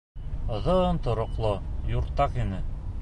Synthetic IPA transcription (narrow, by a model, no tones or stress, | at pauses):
ŏðɤɤnt̪ŏɾŏqlˠojuɾt̪ːɑχinɘ